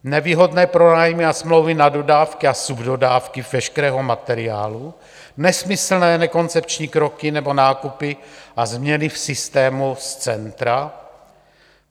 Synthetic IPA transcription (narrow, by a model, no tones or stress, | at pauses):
nɛviːɦo̞dnɛːpɾo̞naːjmɪasmlowvɪnado̞daːfkɪasubdo̞daːfkɪvɛʃkɛɾɛːɦomat̪ɛɾɪa̰ːlu | nɛsmɪsl̩nɛːnɛko̞nt͡sɛpt͡ʃɲiːkɾo̞kɪnɛbo̞naːkupɪʔazmɲɛnɪfsɪst̪ɛːmust͡sɛnt̪ɾa